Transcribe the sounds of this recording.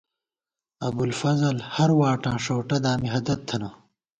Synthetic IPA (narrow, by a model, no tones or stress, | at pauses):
ɐbulfɐzɐlhɐɾwaːʈãːʂoːʈɐd̪aːmiɦɐd̪ɐt̪ʰːɐnɐ